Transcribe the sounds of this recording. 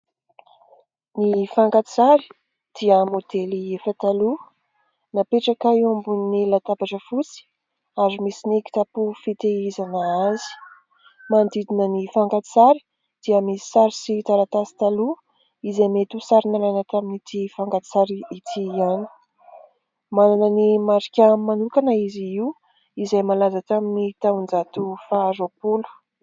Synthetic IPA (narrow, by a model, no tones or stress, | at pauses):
nifaŋkat͡saɾi̥ | d̪̥iəmod̪eliefat̪alu | napeʈ͡ʂakaiombunnːilat̪apaʈ͡ʂəfut͡si̥ | azimisiniki̥t̪apufit̪eizanəazi̥ | mand̪id̪inənifaŋkat͡saɾi̥ | d̪̥iəmisi̥saɾisit̪aɾat̪asi̥t̪alu | izamet̪usaɾinalajnət̪aminit̪ifaŋkat̪saɾiit̪ʰiani̥ | mananənimaɾikʲamanukanəiziiw | izajmalazat̪aminit̪aund͡zat̪ufaːɾopulu̥